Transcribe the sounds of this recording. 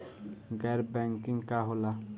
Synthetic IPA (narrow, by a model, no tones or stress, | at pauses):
ŋ̩ɡɛɾbɛŋkiŋ̩kaɦʊla